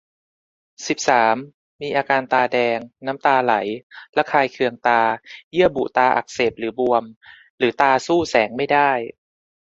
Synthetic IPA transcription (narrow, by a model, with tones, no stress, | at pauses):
si˨˩p̚saː˩˦mː | iː˧ʔaː˧kaː˧nt̪aː˧dɛː˧ŋna˦˥mt̪aː˧la̰˩˦jla˦˥kʰaː˧jkʰɯ˧əŋt̪aː˧jɯ˥˩əbṵ˨˩t̪aː˧ʔa̰˨˩k̚se˨˩p̚lɯː˩˦bu˧əm | lɯː˩˦t̪aː˧suː˥˩sɛː˩˦ŋma˥˩jdaː˥˩j